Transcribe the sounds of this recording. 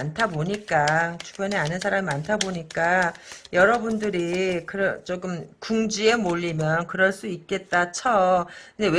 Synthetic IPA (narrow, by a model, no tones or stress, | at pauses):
antʰaboɲik͈at͡ɕʰu̥ɡjʌneanɯns̬ʰaɾamimantʰaboɲik͈ajʌɾʌbundɯɾikɯɾʌt͡ɕ͈oɡɯmkuŋd͡ʑie̞moʎːimjʌnkɯɾʌɭs͈uik̚k͈e̞t̚t͈at͡ɕʰʌkɯndew